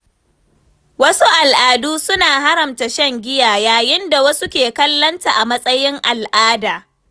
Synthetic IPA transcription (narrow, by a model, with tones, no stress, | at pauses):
wɐ˦su˦ʔa˨lʔaː˨duː˦sʊ˦naː˨ɦa˦ɾɐ˨mta˨ʃɐ˦ŋɡʲɪ˦jaː˨jaː˨jɪ˦nda˨wɐ˦su˦kʲeː˨kɐ˦lːɐ˦nta˨ʔa˨mɐ˦sʼɐ˦jɪ˦ŋʔa˨lʔaː˦daː˨